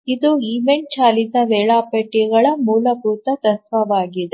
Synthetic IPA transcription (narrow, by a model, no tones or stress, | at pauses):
id̪uiʋeɳ̚t͡ʃaːlid̪ɐʋɛːɭaːpɐʈːiɡɐɭɐmuːlɐpuːt̪ɐt̪ɐsʋɐʋaːɡid̪e